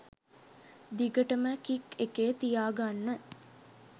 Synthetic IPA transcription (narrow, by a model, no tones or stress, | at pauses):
d̪iɡəʈəməkikekeːt̪ijaːɡanːə